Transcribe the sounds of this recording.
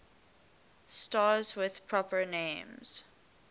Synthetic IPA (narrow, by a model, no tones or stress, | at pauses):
stazwɪð̥pʰɹ̥ɔpənẽːmz̥